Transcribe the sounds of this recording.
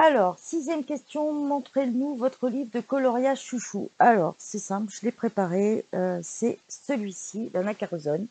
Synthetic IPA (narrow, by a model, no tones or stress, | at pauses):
alɔʁsizjɛmkʲɛst̪jɔ̃mɔ̃t̪χenuvɔt̪χəlivʁd̪əkɔlɔʁjaʃuʃṵalɔʁsɛsɛ̃plʒəlepχepaʁeøsɛsəlɥisid̪ɑ̃nakaʁzɔn